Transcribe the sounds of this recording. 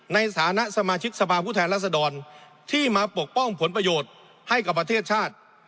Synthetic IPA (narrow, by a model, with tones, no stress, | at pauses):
na˧jsʰaː˩˦na˦˥ʔsa˧maː˧t͡ɕʰi˦˥k̚sa˧pʰaː˧pʰu˥˩t̪ʰɛː˧nlaː˥˩sa˧dɔː˧n | t̪ʰiː˥˩maː˧pu˨˩ək̚pɔ˥˩ŋpʰo˩˦npɾa˧joː˨˩t̪̚ | ha˥˩jka˨˩pːɾa˧t̪ʰeː˥˩t̪̚t͡ɕʰaː˥˩t̪̚